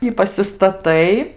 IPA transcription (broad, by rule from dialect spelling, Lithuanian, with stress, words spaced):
ɪ pɐsʲɪstɐˈtɐɪ